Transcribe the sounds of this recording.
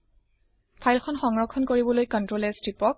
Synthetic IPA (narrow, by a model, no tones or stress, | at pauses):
pʰajlxʰɔnxɔŋɹɔkʰːɔnkoɹibɔlojkɔntɹolɛstɹipɔk̚